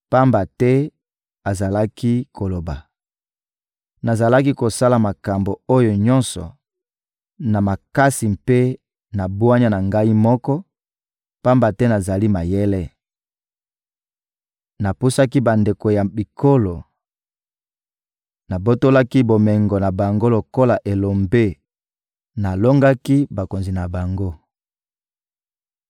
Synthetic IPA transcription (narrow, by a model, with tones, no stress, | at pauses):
pa˦mba˨tɛ˦ | a˨za˨la˦ki˦kʰo˨lo˨ba˨ | na˨za˨la˦k̬i˦ko˨sa˦la˨ma˨ka˨mbo˨o˦jo˨ɲɔ˦nsɔ̰˨ | na˨ma˨ka˦si˨mpe˦ | na˨bwa˦ɲa˦na˨ŋɡa˦i˦mɔ˦kɔ˦ | pa˦mba˨tɛ˦na˨za˨li˦ma˨jɛ˦lɛ˦ | na˨pu˦sa˦ki˦ba˨nde˨ko˨ja˨bi˨ko˦lo˨ | na˨bo˦to˦la˦ki˦bo˨mɛ˨ŋɡɔ˨na˨ba˨ŋɡo˦lo˨ko˦la˨ʔe˨lo˨mbe˦ | na˨lo˦ŋɡa˦ki˦ba˨ko˨nzi˨na˨ba˨ŋɡo˦